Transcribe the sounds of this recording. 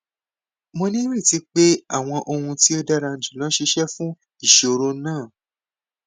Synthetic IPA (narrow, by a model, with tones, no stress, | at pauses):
mo˧nĩ˦ɾĩ˦˨ti˨˦k͡pe˦a˦˨w̃ɔ̃˧ʔo˧hũ˧ti˦o˦da˦ɾa˧n̩˨d͡ʒu˨lã˨˦ʃi˧ʃɛ˦fũ˦ | i˦˨ʃo˨˧ɾo˧˦nãː˦˨